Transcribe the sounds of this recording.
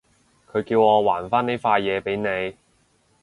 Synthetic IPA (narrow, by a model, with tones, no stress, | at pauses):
kʰɵ˨˧ɥkiː˧wŋɔː˨˧waː˨˩nfaː˥ne˥jfaː˧jjɛː˨˧pe˨˥jne˨˧j